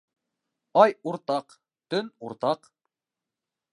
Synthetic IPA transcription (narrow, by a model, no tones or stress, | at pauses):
ɑjuɾt̪ɑq | t̪ɵnuɾt̪ɑq